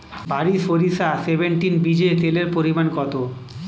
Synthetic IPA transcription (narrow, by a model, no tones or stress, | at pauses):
baɾiʃoɾisasebeɳʈinbid͡ʑet̪eleɾpoɾimankɔt̪o